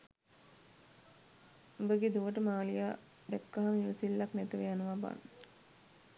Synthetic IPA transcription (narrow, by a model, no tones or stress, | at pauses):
obəɡed̪uʋəʈəmaːlijaː | d̪ɛkːaɦamiʋəsilːaknɛt̪əʋejanəʋaba̰n